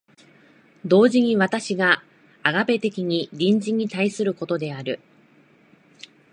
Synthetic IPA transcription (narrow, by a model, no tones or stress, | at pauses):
d̪o̞ːʑiɲ̟iβat̪aɕiɡa | aɡabe̞t̪e̞kʲiɲ̟iɾʲĩɲ̟d͡ʑiɲ̟ːit̪aisɨɾɯ̟ko̞t̪o̞d̪e̞aɾɯ̟